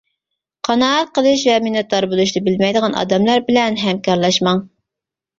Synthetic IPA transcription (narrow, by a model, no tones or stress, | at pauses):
qʰɑnɑɑt̪̚qəlˠɨʃ̬vɛminɑt̪̚ːɑɾbolˠuʃ̬d̪ɨbɪlmɛjd̪əʁɑnʔɑ̰d̪ɛmlˠɑɾbɪlɛnɦɛmkʲɑɾlˠɑʃmɑŋ